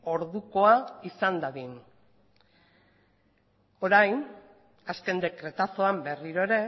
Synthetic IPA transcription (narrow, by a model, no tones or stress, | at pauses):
o̞ɾðuko̞aisand̪aðin | o̞ɾajn | aske̞nd̪e̞kɾe̞t̪aso̞ambe̞riɾo̞e̞ɾe̞